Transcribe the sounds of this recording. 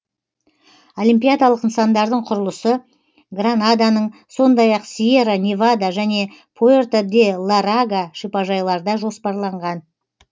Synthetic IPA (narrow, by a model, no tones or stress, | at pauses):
o̞limpʲijad̪alˠəqənsɑnd̪ɑɾd̪əɴqʰʊɾəlˠəsə | ɡranad̪anəɴso̞nd̪ɑjɑqsieɾanʲevad̪aʒæne̞pʰoert̪ad̪elˠaɾaɡaʃipɑʒɑjlˠɑɾd̪ɑʒo̞spɑɾlˠɑɴʁɑn